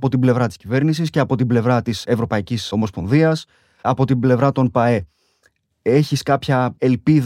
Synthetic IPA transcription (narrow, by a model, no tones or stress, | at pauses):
po̞t̪imble̞vɾɐt̪iscive̞ɾnisisce̞ɐpo̞t̪ible̞vɾɐt̪ise̞vɾo̞pɐiciso̞mo̞spo̞nðiɐs | ɐpo̞t̪ible̞vɾɐt̪o̞npɐe̞ | e̞çiskɐpçɐe̞lpið